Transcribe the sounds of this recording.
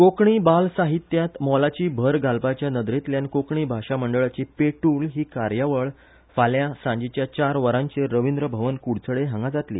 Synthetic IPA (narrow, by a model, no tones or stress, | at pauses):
kokɳiːbalsaɦit̪jat̪mɔlat͡ɕiːbʱəɾɡalpat͡ɕjanəd̪ɾet̪ljankokɳiːbʱaʂaməɳɖəɭat͡ɕipeʈuːlɦiːkaɾjaʋəɭ | faljasãɲd͡ʑit͡ɕjat͡ɕaɾʋəɾãɲt͡seɾəʋind̪ɾəbʱəʋənkuɽt͡səɭeɦãŋɡad͡zat̪lḭː